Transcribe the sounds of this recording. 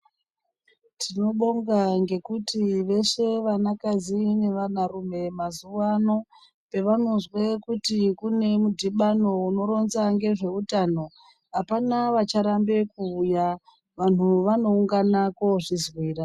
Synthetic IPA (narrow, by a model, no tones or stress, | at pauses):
tʰino̞ɓo̞ŋɡaŋɡe̞kutiʋe̞ʂe̞ʋanakazine̞ʋanaɾume̞mazuwano̞ | pe̞ʋano̞nzwe̞kutikune̞mudʱiɓano̞uno̞ɾo̞nzaŋɡe̞ʐe̞utano̞ | ɦapanaʋat͡ʃaɾambe̞kuːja | ʋan̤uʋano̞uŋɡanako̞ʐizwiːra